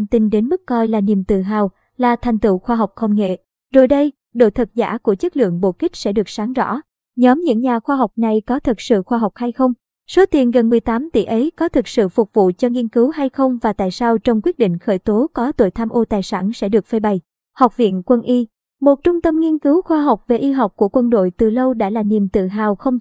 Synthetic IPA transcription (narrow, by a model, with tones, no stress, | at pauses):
mt̪i˧nɗe˨˦nmɨ˦˥kːɔ˧jlaː˨˩ni˨˩mt̪ɨ̰˧˨ɦaː˨˩w | laː˨˩t̪ʰa˨˩jŋ̟t̪ɨ̰˧˨xwaː˧ɦa˨˩wk͡p̚xə˧ŋ͡mŋḛ˧˨ | zo̰˧˩jɗə˧j | ɗo̰˧˨jt̪ʰə˨˩t̚za̰ː˧˥ku˧˩ət͡ɕə˦˥t̚lɨ̰˧˨əŋɓo̰˧˩kï˦˥k̟̚sɛ̰˧˥ɗɨ˨˩ək̚saː˨˦ŋzɔ̰˧˥ | ɲɔ˨˦mɲɨ̰˧˥ŋɲaː˨˩xwaː˧ɦa˨˩wk͡p̚na˨˩jkɔ˨˦t̪ʰɨ˨˩t̚sɨ̰˧˨xwaː˧ɦa˨˩wk͡p̚ha˧jxə˧wŋ͡m | so˨˦t̪i˨˩nɣə˨˩nmɨ˨˩əjt̪aː˨˦mt̪ḭ˧˩ʔə˨˦jkɔ˨˦t̪ʰɨ˨˩t̚sɨ̰˧˨fʊ˨˩k͡p̚vṵ˧˨t͡ɕɔ˧ŋi˧ənkɨ˨˦wha˧jxə˧wŋ͡mvaː˨˩t̪a̰ː˧˨jsaː˧wt͡ɕɔ˧wŋ͡mkwi˦˥ət̚ɗḭ˧˨ŋ̟xəː˧˩jt̪o˨˦kɔ˨˦t̪o̰˧˨jt̪ʰaː˧mʔo˧t̪aː˨˩jsa̰ː˧˩nsɛ̰˧˥ɗɨ˨˩ək̚fe˧jɓa˨˩j | ha˨˩wk͡p̚vḭ˧˨ənkwə˧nʔi˧ | mo˨˩t̚t͡ɕʊ˧ŋ͡mt̪ə˧mŋi˧ənkɨ˨˦wxwaː˧ɦa˨˩wk͡p̚ve˨˩ʔi˧ɦwk͡p̚ku˧˩əkwə˧nɗo̰˧˨jt̪ɨ˨˩lə˧wɗa̰ː˧˥laː˨˩ɲi˨˩mt̪ɨ̰˧˨ɦaː˨˩wxə˧wŋ͡m